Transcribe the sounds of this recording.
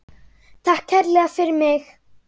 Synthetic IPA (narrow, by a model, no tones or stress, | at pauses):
t̪ʰahkʰːɛɾlɛːɣafɪɾɪɾmɪx